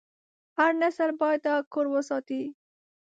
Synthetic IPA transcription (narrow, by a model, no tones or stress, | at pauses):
haɾnasəɾbɑjt̪akʰoɾwəsɑt̪i